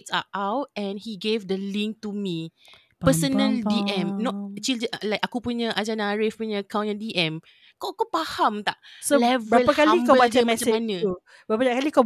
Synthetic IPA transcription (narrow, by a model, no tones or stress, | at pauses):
sa̰ʔawt̚ɛ̃nhiɡevdəlĩŋk̚tumĩ | ppəsənə̃ldiʔɛ̃mnɔ̃t̚t͡ʃildəlajkakupuɲəʔad͡ʒanãɹefpuɲəkaw̃nə̃diʔɛ̃m | kokupahamt̪aʔsolɛvbɾaəlpahkalãikamat͡ʃamɛsãemanə̃u | bɾapaakalikaw